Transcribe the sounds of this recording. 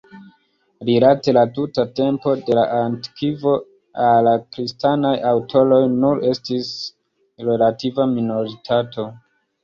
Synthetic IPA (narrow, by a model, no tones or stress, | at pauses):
ɾilate̞latutate̞mpo̞de̞la̰ʔantkʰivo̞ | alakɾistanajawtʰo̞lo̞jnuɾe̞stis | ɾe̞lativamino̞ɾitʰatʰo̞